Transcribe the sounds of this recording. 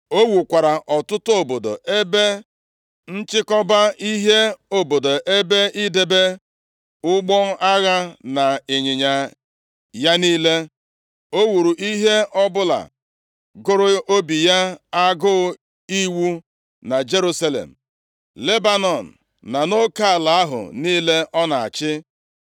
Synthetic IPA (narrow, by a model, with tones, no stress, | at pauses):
o˦wu˨kʷa˨ɾa˨ʔɔ˨tʊ˦tʊ˦o˨bo˨do̰˨ʔe˦be˦ | n̩˦t͡ʃɪ˦kɔ˦ba˦i˦ɦe˦o˨bo˨do˨ʔe˦be˦i˦de˨be˦ | ʊ˦ɡ͡bɔ˦ʔa˦ɣa˦na˨e˨ɲɪ˨ɲa˨ | ja˦niː˦le˦ | o˦wu˨ɾu˨ʔi˦ɦe˦ʔɔ˦bʊ˦la̰˨ | ɡʊ˦ɾʊ˦o˦bi˨ja˦a˦ɡʊ˦ | i˦wu˦ | na˨d͡ʒe˦ɾu˦sa˦lḛ˨m̩˨ | le˦ba˦nɔ˨n̩˨ | na˨no˦ka˦˨la˨a˦ɦʊ̰˨niː˦le˦ʔɔ˦na˨a̰˨t͡ʃɪ˦